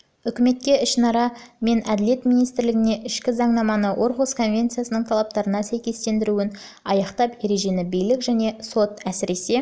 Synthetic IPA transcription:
ʏkʲɪme̞t̪̚kʲe̞ɪʃnɑɾɑme̞næd̪ɪlje̞t̪mijnijst̪ɪɾlɪɡʲɪne̞ʔɪʃkʲɪzɑɴnɑmɑnəwʔo̞ɾqoskʰo̞nvʲe̞nt̪sɨjasənəɴt̪ʰalˠap̚t̪ɑɾənɑsæjkʲe̞st̪e̞nd̪ɪɾuɪn | ɑjɑqt̪ɑpje̞ɾe̞ʒe̞nɪbijlɪkʒæne̞so̞t̪æsɪɾe̞se̞

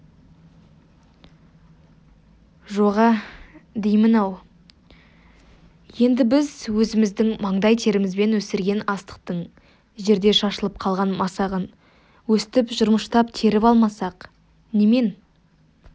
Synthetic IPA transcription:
ʒoʁɑd̪ejmənɑw | je̞nd̪ɪbɪzwɵzɪmɪzd̪ɪŋmɑɴd̪ɑjt̪ʰe̞ɾɪmɪzbe̞nwɵsɪɾɡʲe̞nɑst̪ə̥q̚t̪əɴ | ʒe̞ɾd̪e̞ʃɑʃəlˠəp̚qʰɑlˠʁɑnmɑsɑʁən | wɵst̪ɪpʒʊɾməʃt̪ɑpt̪ʰe̞ɾɪpɑlˠmɑsɑq | neme̞n

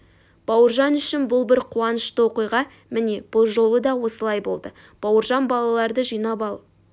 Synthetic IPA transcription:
b̥ɑwəɾʒɑnʏʃɪnbʊlˠbɪɾqʰuɑnəʃt̪əwo̞qijʁɑ | mɪne̞b̥ʊlˠʒo̞lˠəd̪ɑwo̞səlˠɑjbo̞lˠd̪ə | b̥ɑwəɾʒɑnbɑlˠɑlˠɑɾd̪əʒijnɑpɑlˠ

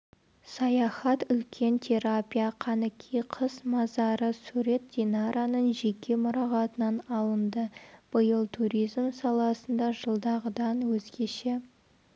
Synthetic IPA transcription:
sɑjɑχɑt̪ʏlkʲʰe̞nt̪ʲʰe̞ɾapʲijaqʰɑnəkʲʰijqʰəsmɑzɑɾəsuɾe̞t̪̚d̪̥ʲenɑɾʔanəɴʒe̞kʲe̞mʊɾɑʁɑt̪ənɑnɑlˠənd̪əb̥əjəlˠt̪ʰuɾʲijzmsɑlˠɑsənd̪ɑʒəlˠd̪ɑʁəd̪ɑnwɵzɡʲe̞ʃe

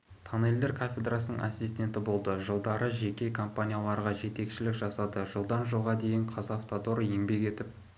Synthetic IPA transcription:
t̪ʰɑneld̪eɾkʰafʲe̞d̪rasənəŋʔasʲːisʲt̪ʲe̞nt̪ɪbo̞lˠd̪əʒəlˠd̪ɑɾəʒe̞kʲe̞kʰo̞mpanʲijalˠɑɾʁɑʒe̞t̪e̞kʃɪlɪkʒɑsɑd̪əʒəlˠd̪ɑnʒəlˠʁɑd̪e̞jɪɴqʰɑzɑft̪ad̪o̞ɾje̞ŋbe̞ke̞t̪ɪp̚

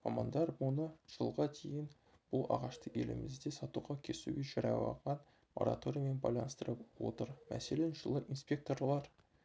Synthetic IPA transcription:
mɑmɑnd̪ɑɾmonəʒ̥əlˠʁɑt̪ʰejɪn | b̥ʊlˠɑ̰ʁɑʃt̪əḛlɪ̰mɪzd̪esɑt̪uʁɑkʲʰesuɡʲeʒɑɾɑ̰wɑ̰ʁɑn | mo̞̰ɾa̰t̪o̞ɾijame̞nbɑjlˠɑ̰nst̪əɾəpwo̞̰t̪əɾmæ̰selenʒəlˠəʔinspʲe̞k̚t̪o̞rlˠɑɾ

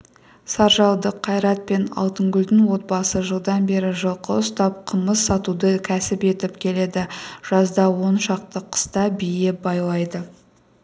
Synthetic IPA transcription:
sɑɾʒɑlˠd̪əqʰːɑjɾɑt̪̚pe̞nɑ̰lˠt̪əŋɡʲʏld̪ɪŋwo̞t̪̚bɑsəʒəlˠd̪ɑnbe̞ɾɪʒəlˠqəʊst̪ɑp̚qʰəməssɑt̪ud̪əkʲʰæsɪpe̞t̪ɪpkʲʰe̞le̞d̪ɪʒ̥ɑzd̪ɑwo̞nʃɑq̚t̪əqʰə̥st̪ɑbijebɑjlˠɑjd̪ə

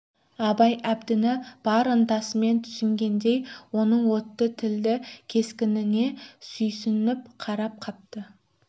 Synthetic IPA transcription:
ɑbɑjæbd̪ɪnɪb̥ɑɾənt̪ɑsəme̞nt̪ʰʏ̥sʏŋɡʲe̞nd̪e̞jwo̞nəɴwo̞t̪ːət̪ʰɪld̪ɪkʲʰe̞skʲɪnɪne̞sʏjsɪnɪpqʰɑɾɑp̚qʰɑp̚t̪ə

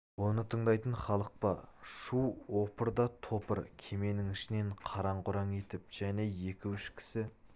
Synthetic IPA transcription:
wo̞nət̪ʰəɴd̪ɑjt̪əɴχɑlˠəq̚pɑʃuwwopəɾd̪ɑt̪ʰo̞pəɾkʲʰe̞me̞nɪŋɪʃɪne̞ɴqʰɑɾɑɴqʊɾɑŋe̞t̪ɪp̚ʒ̥æne̞je̞kʲɪwɪʃkʲʰɪ̥sɪ

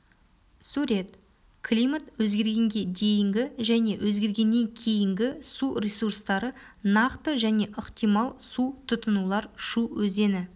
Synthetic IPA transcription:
suɾʲe̞t̪ | kʰlʲijmat̪wɵzɡʲe̞ɾɡʲe̞ŋɡʲe̞d̪e̞jɪŋɡʲɪʒæne̞wʔɵzɡʲe̞ɾɡʲe̞nːe̞ŋkʲʰe̞jɪŋɡʲɪsurʲesurst̪ɑɾə | nɑqt̪əʒæne̞ʔəqt̪ijmɑlˠsut̪ʰʊt̪ənulˠɑɾʃuwɵze̞nɪ

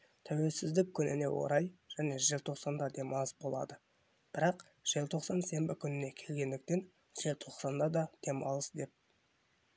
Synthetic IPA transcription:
t̪ʰæwe̞lsɪzd̪ɪk̚kʲʰʏnɪ̰ne̞wo̞̰ɾɑjʒ̥æne̞ʒɪlt̪ʰo̞qsɑnd̪ɑd̪e̞mɑlˠzbo̞lˠɑ̰d̪ə | b̥ɪɾɑq | ʒ̥ɪlt̪ʰo̞qsɑnse̞mbɪkʲʰʏnɪne̞kʲʰe̞lɡʲe̞nd̪ɪkt̪e̞n | ʒ̥ɪlt̪ʰo̞qsɑnd̪ɑd̪ɑd̪̥e̞mɑ̰lˠəsd̪e̞p̚

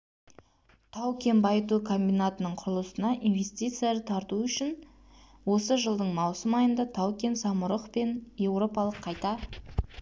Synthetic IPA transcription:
t̪ʰɑwkʲe̞nbɑjət̪̬ukʰo̞mbʲijnat̪ənəɴqʰʊɾlˠəsənɑʔinve̞sʲt̪ʲijt̪sjaɾət̪ʰɑɾt̪uʏʃɪn | wo̞səʒəlˠd̪əɴmɑwsəmɑjənd̪ɑt̪ʰɑwkʲe̞nsɑmʊɾəqpe̞nje̞wɾo̞pɑlˠəqʰːɑjt̪ɑ

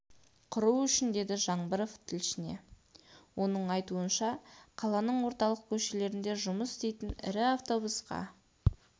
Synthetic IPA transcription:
qʰʊɾuʏʃɪnd̪e̞d̪ɪʒɑɴbəɾoft̪ʰɪlʃɪne̞̰ | wʔo̞nəɴɑjt̪uənʃɑqʰɑlˠɑnəɴwo̞ɾt̪ɑlˠəq̚kʲʰɵʃe̞le̞ɾɪnd̪e̞ʒʊməsɪst̪e̞jt̪ɪnɪ̰ɾɪaft̪o̞busqɑ̰

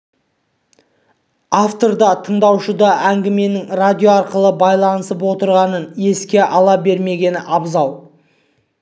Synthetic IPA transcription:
aft̪o̞ɾd̪ɑt̪ʰəɴd̪ɑwʃəd̪ɑʔæŋɡʲɪme̞nɪŋrad̪ʲijo̞ɑɾqəlˠəbɑjlˠɑnəsəpwo̞t̪əɾʁɑnənje̞skʲe̞ʔɑlˠɑbe̞ɾme̞ɡʲe̞nɪʔɑbzɑw

